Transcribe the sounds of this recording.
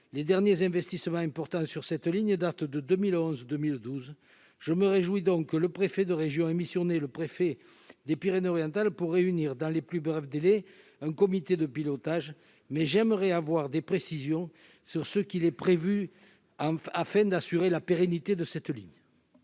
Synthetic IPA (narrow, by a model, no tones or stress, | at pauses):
led̪ɛʁnjezɛ̃vɛst̪isəmɑ̃ɛ̃mpɔʁt̪ɑ̃syʁsɛt̪liɲəd̪at̪d̪əd̪əmilɔ̃zd̪əmild̪uz | ʒəməʁeʒwid̪ɔ̃ŋkːələpχefed̪əʁeʒjɔ̃emisjɔneləpχefe | d̪epiʁenɔʁjɑ̃t̪alpuʁeyniʁd̪ɑ̃leplybʁɛfd̪ele | ɛ̃ŋkɔmit̪ed̪əpilɔt̪aʒ | mɛʒɛməʁɛavwaʁd̪epχesizjɔ̃ | syʁsəkilɛpχevy | ɑ̃afɛ̃d̪asyʁelapeʁenit̪ed̪əsɛt̪liɲə